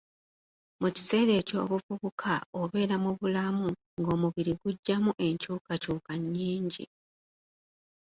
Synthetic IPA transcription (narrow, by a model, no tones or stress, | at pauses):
muci̥se̞ːɾe̞ːco̞̰ːβufuβukʰaoβe̞ːɾamuβulamu | ŋɡo̞ːmuβiɾiɡuɟːamuʔe̞ɲcuːkacuːkaɲːiːɲɟḭ